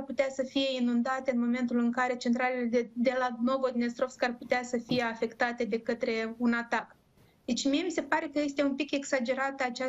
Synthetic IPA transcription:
rput̪easəfije̞inund̪at̪eɨnmo̞me̞nt̪ulɨŋkaɾe̞t͡ʃe̞nt̪ɾale̞led̪e̞lano̞vod̪nest̪ɾo̞fskarput̪easəfije̞afe̞kt̪at̪e̞d̪e̞kət̪ɾe̞unat̪ak | d̪e̞t͡ʃʲmije̞mise̞paɾe̞kəje̞st̪e̞umpike̞ksad͡ʒe̞ɾat̪əat͡ʃa

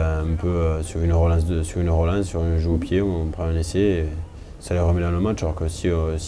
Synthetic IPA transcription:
ɛ̃pøøsyʁynʁəlɑ̃sd̪əsyʁynʁɔlɛ̃ssːyʁɛ̃ʒəopjeɔ̃pχɛ̃ɛ̃nese | salɛʁəmɛd̪ɑ̃ləmat͡ʃalɔʁkəsis

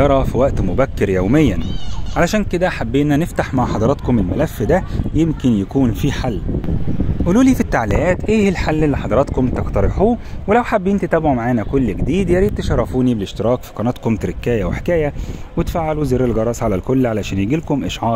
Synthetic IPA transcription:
ɑɾˤɑfiwæʔt̪mobækːeɾjæwmejːænʕalæʃæːnked̪æħabːeːʔnæneft̪aħmaʕħɑd̪ɑɾˤɑt̪komelmælæfːd̪æjemkenjækuːnfiħalː | ʔuːluːliːfit̪ːaʕliʔæːt̪ʔeːhelħalːelːiħɑd̪ˤɑɾˤɑt̪komt̪eqt̪ɑɾeħuːwelæwħabːiːnt̪et̪æːbʕumaʕaːnækolːɡed̪iːd̪jeɾiːd̪̚t̪eʃɑrˤːɑfuːnibeleʃt̪eɾɑːkfi̥qɑnɑt̪komt̪eɾekːæːjæweħekæːjæwet̪faːʕːaluzeɾːelɡɑɾˤɑːsˤʕalælkolːʕalæʃæːnjeɡilkomʔeʃʕɑːɾ

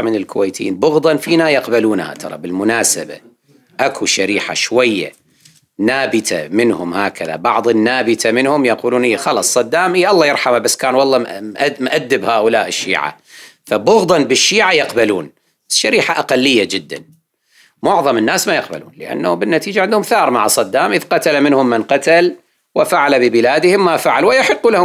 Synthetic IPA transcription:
mɪnɪlkʰʊweːt̪jiːnbʊɣd̪ˤɑnfiːnajɑqbaluːnha̰t̪ʰɑ̰ɾˤɑ̰bɪlmʊnaːsaba̰ | ʔakʰuʃaɾiːħa̰ʃwajːa̰ | naːbɪt̪ʰamɪnhʊmhaːkaða̰bɑʕðˤɪnːaːbɪt̪ʰamɪnhʊmjaquːluːnʔiːxɑlɑsˤːɑd̪ːaːmʔiʔɑlˤːɑjɪɾˤħamabasːkaːnwɑlˤːɑʔmʔad̪ːɪbhaːʔʊlaːʔɪʃːḭːʕa̰ | fabʊɣd̪ˤɑnbɪʃːiːʕajɑqbalṵːn | ʃːaɾiːħaʔaqalːɪjːad͡ʒɪd̪ːa̰n | mʊʕðˤɑmɪnːaːsmajɑq̚ba̰lṵːnlɪ̰ʔa̰nːaʊmbɪnːat̪iːd͡ʒaʕɪnd̪hʊmθɑːɾˤmaʕasˤɑd̪ːaːmʔɪðqɑt̪alamɪnhʊmːanqɑt̪al | wɪfaʕalabɪbɪlaːd̪ɪhɪmːafaʕalwɪjaħɪqːulahʊ

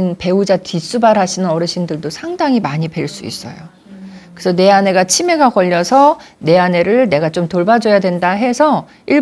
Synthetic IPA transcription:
npe̞ud͡ʑatis͈ubaɾɦaɕʰinɯnʌɾɯɕʰindɯɭdosʰaŋdaŋimaɲibe̞ɭs͈uḭs͈ʌ̰jo̰ | kɯsʰʌne̞ane̞ɡat͡ɕʰime̞ɡaɡʌʎːʌsʰʌne̞ane̞ɾɯɭne̞ɡat͡ɕomtoɭbad͡ʑʌjadwe̞ndaɦe̞sʰʌ | iɭ

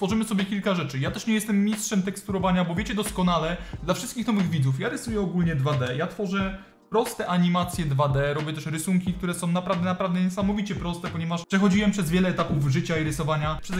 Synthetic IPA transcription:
t̪fɔʐɘmɘsɔbʲjɛkʲilkaʐɛt͡ʂɘjat̪ɛʂɲɛjɛst̪ɛmːʲistʂɛmt̪ɛkst̪uɾɔvaɲabɔvʲjɛt͡ɕɛd̪ɔskɔnalɛd̪lafʂɘst̪̚kʲixnɔvɘɣvʲid̪zufjaɾɘsujɛɔɡulɲɛd̪vad̪ɛjat̪fɔʐɛ | pɾɔst̪ɛʔaɲimat̪sʲjɛd̪vad̪ɛɾɔbʲjɛt̪ɛʂɾɘsuŋkʲik̚t̪uɾɛsɔ̃w̃napɾad̪ɛnapɾavd̪ɛɲɛsamɔvʲit͡ɕɛpɾɔst̪ɛpɔɲɛvaʂpʂɛxɔd͡ʑiwɛmpʂɛzvʲjɛlɛːt̪apuvʐɘt͡ɕaiɾɘsɔvaɲapʂɛ

